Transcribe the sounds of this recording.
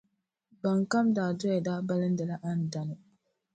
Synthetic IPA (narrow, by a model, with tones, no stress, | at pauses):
ba˨ŋ˨ka˦mdaː˨dɔ˦ɛ˨daː˦ba˦lɪ˦n̩˦də˨la˦ʔa˦n̩˨da˨nʊ˨